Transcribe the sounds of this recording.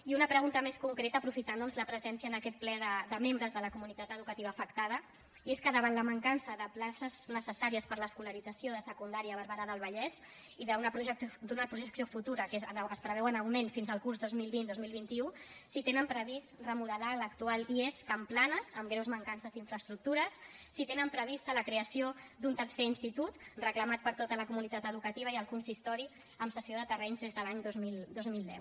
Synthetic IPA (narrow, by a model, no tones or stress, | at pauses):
iunəpɾəɣunt̪əmeskuŋkɾet̪əːpɾufit̪and̪ɔnzləpɾəzɛnsiəːnəkɛt̪̚plɛðəd̪əmembɾəzðələkumunit̪at̪əðukət̪iβəːfəkt̪að̞ə | ieskəðəβ̞ant̪ləməŋkansəðəplasəznəsəsaɾiəspəɾləːskuləɾid͡zəsjoðəsəkund̪aɾiəβ̞əɾβəɾaðəlˠβ̞əʎɛz | iðəunəpɾuʒəkd̪unəpɾuʒəksijofut̪uɾəkezənəspɾəβɛwənəwmenfinzəlˠkuɾzðozmilˠβind̪ozmilˠβ̞int̪iusit̪enəmpɾəβist̪rəmuðəlalək̚t̪ualieskəmplanəzəmɡɾewzməŋkansəziɱfɾəst̪ɾuk̚t̪uɾəsːit̪enəmpɾəβ̞ist̪ələkɾeəsiod̪unt̪əɾseinst̪it̪ut̪rəkləmat̪̚pəɾt̪ot̪ələkumunit̪at̪əðukət̪iβ̞əiəlˠkunsist̪ɔɾi | əmsəsioðət̪ərɛɲzðezðəlaɲd̪ozmild̪ozmilˠd̪ɛ̰w